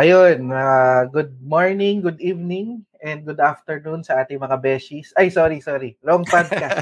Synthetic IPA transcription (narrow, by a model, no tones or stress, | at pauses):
ʔɐjonɐɡʊd̪̚moɹnɪŋɡʊd̪iːvnɪŋʔɛnd̪̚ɡʊd̪aft̪ɛɹnunsɐʔaːt̪ɪŋmɐŋabɛːsisʔajsoːɾisoːɾilɐʔoŋpad̪̚kɐ